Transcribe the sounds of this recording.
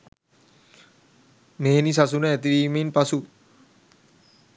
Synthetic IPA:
meɦenisasunɛɛt̪̬iɾiminpasu

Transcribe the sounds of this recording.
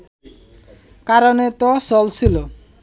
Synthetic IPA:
kaɾonet̪osɔlt͡ɕʰilo

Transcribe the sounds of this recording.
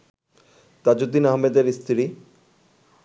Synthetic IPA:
t̪ad͡ʑut̪ːinaɦmed̪eɾist̪ʰɾi

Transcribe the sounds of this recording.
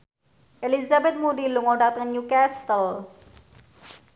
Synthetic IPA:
elizabet̪muɖiluŋoɖat̪ɐnjukæst̪əl

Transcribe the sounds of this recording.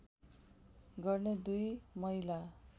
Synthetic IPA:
ɡʌrned̪ujmʌila

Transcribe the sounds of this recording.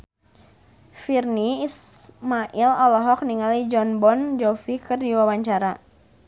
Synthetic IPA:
firniismaʔilɔlɔɦɔk̚niŋalid͡ʒɔnbɔnd͡ʒɔfikɨrdiwawaɲt͡ʃaɾa

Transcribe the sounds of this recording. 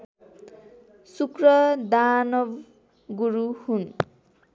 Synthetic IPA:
sukrʌd̪anʌb | ɡuɾuhun

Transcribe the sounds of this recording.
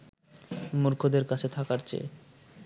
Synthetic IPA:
muɾkʰod̪eɾkat͡ɕʰet̪ʰakaɾt͡ɕḛ

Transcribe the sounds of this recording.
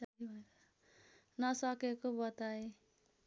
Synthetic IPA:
bʌ | nʌsʌkekobʌt̪ae

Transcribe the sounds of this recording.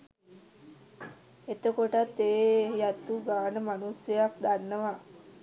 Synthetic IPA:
et̪əkoʈat̪ːeːjat̪uɡaːnəmanusjəjak̚d̪anːəʋa

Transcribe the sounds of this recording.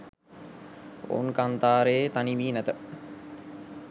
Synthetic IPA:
o̰unkant̪aːɾeet̪aniʋiːnæt̪ə

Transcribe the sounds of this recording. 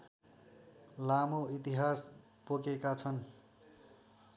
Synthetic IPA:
lamoit̪iɦas | pokekat͡sʰʌn

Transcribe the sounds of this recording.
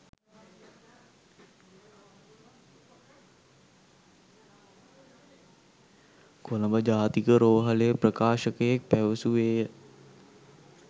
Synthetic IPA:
koləmbəd͡ʒaːt̪ikəɾoːɦəlejəprəkaːʃəkəjek̚pæʋəsuʋeːjə

